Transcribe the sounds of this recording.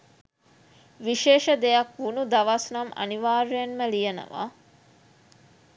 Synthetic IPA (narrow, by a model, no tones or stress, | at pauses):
ʋiʃeːʃɐd̪ejɐkʋunud̪ɐʋɐsnɐmɐ̰niʋaːɾenməlijɐnɐ̰ʋa̰ː